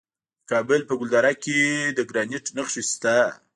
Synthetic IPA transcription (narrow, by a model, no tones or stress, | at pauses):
kɑbəlpəɡʊld̪ɑɾaked̪əɡɾɑniʈnəxʂist̪a